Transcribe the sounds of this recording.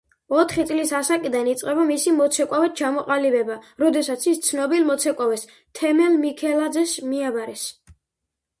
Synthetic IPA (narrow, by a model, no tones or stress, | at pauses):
ɔt̪ʰχit̪sʼlisasakʼid̪anit̪sʼqʼɛbamisimɔt̪sʰɛkʼavɛt̪̚t͡ʃʰamɔqʼalibɛbaɾɔd̪ɛsat̪sʰist̪sʰnɔbilmɔt̪sʰɛkʼavɛs | t̪ʰɛmɛlmikʰɛlad̪zɛsmiabaɾɛs